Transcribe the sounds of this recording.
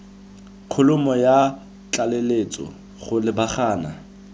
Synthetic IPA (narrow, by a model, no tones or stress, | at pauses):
kʰʊlʊmɔja | t͡ɬaleleːt͡sʼɔ̰ | χʊlɪbaχaːna̰